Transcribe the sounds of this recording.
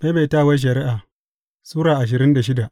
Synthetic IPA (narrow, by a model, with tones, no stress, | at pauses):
me˦beː˨taː˦˨wa˦ʃ̬ɐ˨ɾɪ˦ʔaː˨ | suː˦ɾaː˨ʔa˨ʃ̬ɪ˨ɾɪ˦nda˨ʃɪ˦da˨ʔ